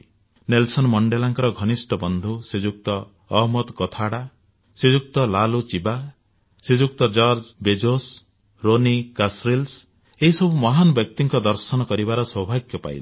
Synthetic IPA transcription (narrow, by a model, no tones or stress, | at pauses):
nelsɔnmɔɳɖelaŋkɔɾɔɡʱɔnisʈɔbɔnd̪ʱused͡ʒuk̚t̪ɔː | ɦmɔd̪kɔt̪ʰaɽa | sed͡ʒuk̚t̪ɔlalut͡ʃiba | sed͡ʒukt̪ɔd͡ʒɔɾd͡ʒbed͡ʒos | ɾonikasɾils | eɦisɔbʱumɔɦanɔbjɔkt̪iŋkɔd̪ɔɾsɔnɔkɔɾibaɾɔsɔbʱaɡjɔpa̰jl